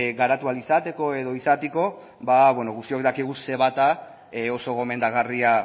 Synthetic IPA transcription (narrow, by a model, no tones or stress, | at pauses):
ɣaɾat̪ualisat̪e̞ko̞e̞ð̞o̞isat̪eko̞ | baβweno̞ɣust̪iokd̪akiɣ̞use̞β̞at̪a | o̞so̞ɣo̞me̞nd̪aɣaria